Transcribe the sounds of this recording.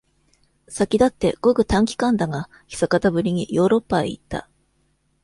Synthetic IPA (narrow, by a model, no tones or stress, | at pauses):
sakʲid̪at̪ːe̞ɡ̥o̞ɡɯ̟t̪ãŋkʲi̥kãnd̪aɡa | çʲi̥sakat̪abɯ̟ɾʲiɲ̟ijo̞ːɾo̞pːaḛḭt̪ːa̰